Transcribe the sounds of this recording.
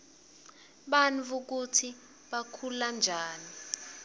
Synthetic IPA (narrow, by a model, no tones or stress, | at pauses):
ɓanvuk̬utʰi | ɓakʰuland͡ʒʱaːni